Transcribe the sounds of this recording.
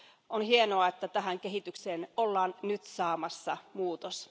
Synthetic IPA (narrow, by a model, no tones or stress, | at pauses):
ʔonhienoɑet̪ːæt̪æɦæŋkeɦit̪ykseːnolːɑːnnyt̪sɑːmɑsːɑ̰muːt̪os